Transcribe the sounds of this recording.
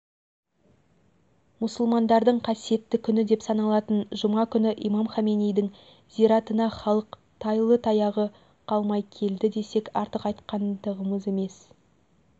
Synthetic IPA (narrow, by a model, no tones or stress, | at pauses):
mʊsəlˠmɑnd̪ɑɾd̪əɴqʰɑsije̞t̪ːɪkʲʰʏnɪd̪e̞psɑnɑlˠɑt̪ənʒəmɑkʲʰʏnɪʔḭmɑmχɑmenijd̪ɪŋ | ziɾɑt̪ənɑχɑlˠəq | t̪ʰɑjlˠət̪ʰɑjɑʁə | qʰɑlˠmɑjkʲʰe̞ld̪ɪd̪e̞se̞kʲɑɾt̪əqɑjt̪qɑnd̪əʁəməze̞me̞s